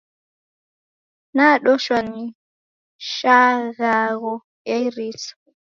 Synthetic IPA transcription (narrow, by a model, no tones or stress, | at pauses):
naːɗɔʃwanːi | ʃaɣaɣɔ | ʔɛɾisɔ̥